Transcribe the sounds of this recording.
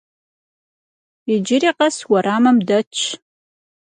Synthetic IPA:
ɪd͡ʒɪɾiːqɐswɐɾʔaːmɐmdɐt͡ʃʰ

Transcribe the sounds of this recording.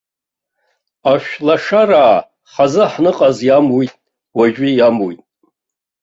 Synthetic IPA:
aʃᶣlaʂaraː | χazɨħnɨqʼazjamujtʼ | waʒʷᶣijamujtʼ

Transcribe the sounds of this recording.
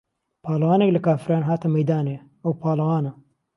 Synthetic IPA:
pʰaːlɐɣaːnɛklɨkaːfɾaːnɦaːt̪ɐmɛjd̪aːneː | ɐwpʰaːlɐɣaːnɐ

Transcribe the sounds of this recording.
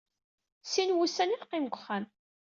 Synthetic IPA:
sinwusæniqːimɡʷχæn

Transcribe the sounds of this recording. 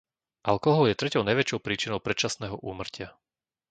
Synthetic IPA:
ʔalkɔɦɔljɛt̪ɾɛcɔʊnajʋɛt͡ʃɔʊpɾiːt͡ʃinɔʊpɾɛt͡ʃasnɛːɦɔʔuːmr̩cɪa

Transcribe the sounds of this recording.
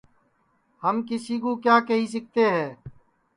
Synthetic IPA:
həmkɪsiːkoːkjaːkəɦiːs̬ɪk̚ʰt̪eːɦɛː

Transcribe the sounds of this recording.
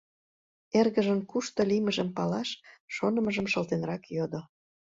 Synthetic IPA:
erɣəʒənkuʃt̪oliməʒəmpɑlɑʃʃonə̆mə̆ʒəmʃə̆lt̪enrɑkjod̪o

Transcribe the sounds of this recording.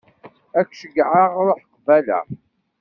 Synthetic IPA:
ækʷːʃəɡʕaʁɾoħqvælæ̰

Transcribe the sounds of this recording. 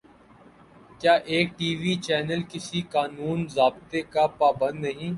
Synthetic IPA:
kjaːʔeːk̚ʈiːʋiːt͡ʃɛːnəlkɪsikaːnuːnzaːbt̪ekapaːbə̃nd̪nɐɦĩː

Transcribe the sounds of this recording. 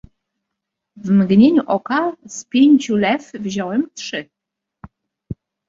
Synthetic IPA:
vmɡɲeɲuʔɔkaspʲjeɲʲt͡ɕulɛfvʑɔwɛmtʂɘ

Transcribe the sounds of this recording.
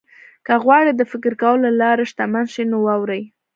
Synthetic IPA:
kəɣwɑɽed̪əfɪkɾkawəlalɑɾaʃt̪amanʃinowɑwɾaj

